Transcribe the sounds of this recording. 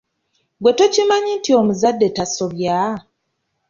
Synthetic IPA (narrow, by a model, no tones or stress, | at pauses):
ɡwe̞to̞cimaɲintio̞muzadːe̞taso̞βja